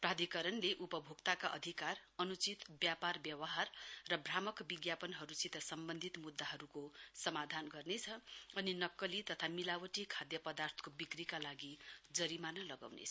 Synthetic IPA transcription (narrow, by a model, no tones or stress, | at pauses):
prad̪ʱikʌɾʌnleʔupʌbʱukt̪akaʔʌ̰d̪ʱikarʌnut͡sit̪bjaparbjʌwʌɦarːʌbramʌkbiɡjapʌnɦʌɾusit̪ʌsʌmbʌnd̪ʱit̪mud̪ːaɦʌɾukosʌmad̪ʱanɡʌrnet͡sʰʌʌninʌkːʌlit̪ʌt̪ʰamilawʌʈikʰad̪jʌpʌd̪art̪ʰʌ̥kobikrikalaɡid͡zʌɾimanalʌɡa̰wnḛt͡sʰʌ